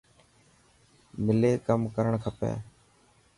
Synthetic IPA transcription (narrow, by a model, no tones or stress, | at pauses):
mɪleːkəmkəɾəɳkʰəpḛː